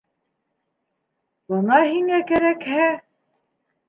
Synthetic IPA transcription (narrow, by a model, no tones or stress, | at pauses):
bɤnɑɦiŋækæɾækhæ